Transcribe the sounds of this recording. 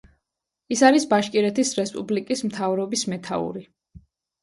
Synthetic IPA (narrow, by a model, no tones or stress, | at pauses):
isaɾisbaʃkʼiɾɛt̪ʰisɾɛspʼṵblikʼismt̪ʰavɾɔbismɛt̪ʰa̰ṵɾi